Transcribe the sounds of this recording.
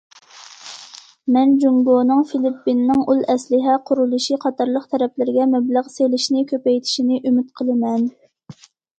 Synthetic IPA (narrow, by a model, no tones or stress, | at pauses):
mɛnd͡ʒuŋɡonɨŋfilipːinːɨŋulˠɛslɪɦɛqʰʊɾulˠuʃiqʰɑt̪ʰɑɾlˠəq̚t̪ʰɛɾɛplɪɾɪɡʲɛmɛbləʁselɪʃinɪkʲʰøpɛjt̪ʰi̥ʃinɪʔymyt̪̚qʰəlˠɨmɛn